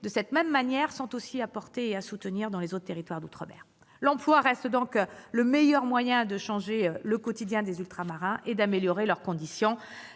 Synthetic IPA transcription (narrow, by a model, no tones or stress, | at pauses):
d̪əsɛt̪mɛmːanjɛʁsɑ̃t̪osiapɔʁt̪eeasut̪əniʁd̪ɑ̃lezot̪χt̪eʁit̪waʁd̪ut̪χəbɛ̰ʁ | lɑ̃plwaʁɛst̪d̪ɔ̃kləmejœʁmwajɛ̃d̪əʃɑ̃ʒeləkɔt̪id̪jɛ̃d̪ezylt̪χamaʁɛ̃ʔed̪ameljɔʁelœʁkɔ̃d̪isjɔ̃